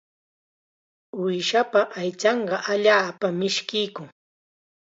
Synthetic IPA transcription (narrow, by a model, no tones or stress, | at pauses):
ʊjʃapaʔajt͡ʃɑɴɢɑʔaʎaːpamɪʃkɪjkʊŋ